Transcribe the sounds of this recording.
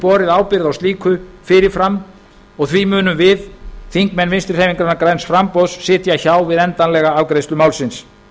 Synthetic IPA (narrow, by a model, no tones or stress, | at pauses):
pɔːɾɪðaːwpɪɾðawst̪liːkʰʏfɪːɾɪɾ̥fɾamː | ɔɣθvimʏːnʏmvɪðθiŋkmɛnvɪnst̪ɾɪ̥rejviŋkɾaɾnaɾkɾajnsfɾampɔsːɪːt̪jaçaːwvɪðɛnt̪anlɛɣaawkɾejst̪ʏmaːwlsɪns